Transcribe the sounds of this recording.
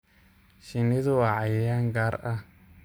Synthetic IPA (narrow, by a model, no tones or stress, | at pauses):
ʃiniðuwaʕajjaŋɡaɾa